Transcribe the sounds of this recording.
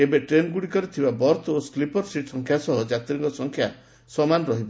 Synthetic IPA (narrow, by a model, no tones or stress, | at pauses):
ebeʈɾenɡuɽikɔɾit̪ʰibabɔɾt̪ʰosklipɔɾsiʈsɔŋkʰjasɔɦɔd͡ʒat̪iɾiŋkɔsɔŋkʰja | sɔmanɔɾɔɦibɔ